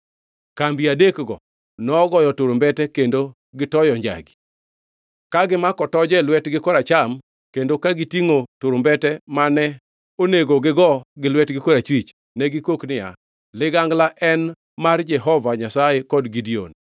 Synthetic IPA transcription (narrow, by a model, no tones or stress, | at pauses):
kambiadekɡɔ̰ | nɔːɡɔjɔtoɾombɛtɛkendo | ɡɪtɔjɔɲd͡ʒa̰ɡi̥ | kaɡɪmakɔtɔd͡ʒɛlwɛtɡɪkɔɾat͡ʃam | kendokaɡitiŋotoɾombɛtɛmanɛ | oneɡoɡɪɡɔɡɪlwɛtɡɪkɔɾat͡ʃwit͡ʃ | nɛɡɪkoknɪja̰ | lɪɡaŋɡlaʔɛn | mard͡ʒɛɦɔvaɲasajekɔdɡidio̰n